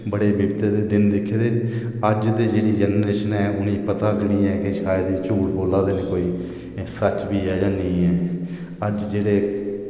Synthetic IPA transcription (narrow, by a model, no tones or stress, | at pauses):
bəɽeːbɪbt̪eːd̪eːd̪ɪnd̪ɪkʰːeːd̪eː | əd͡ʒd̪eːd͡ʒeːɽiːd͡ʒɛnɾeːʃənɛːʊnĩːpət̪aːkɽiːɛːkɪʃaːjd̪iːt͡ʃuːɽboːlaːd̪eːneːkoːiː | sət͡ʃbiːɛːd͡ʒaniːɛː | əd͡ʒd͡ʒeːɽeː